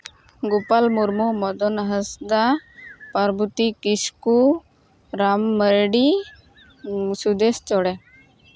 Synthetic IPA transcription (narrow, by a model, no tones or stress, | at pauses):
ɡupalmuɾmumɔd̪ɔnɦəsd̪apaɾbut̪ikisku | ɾamːəɾɖi | sud̪est͡ʃɔɽɛ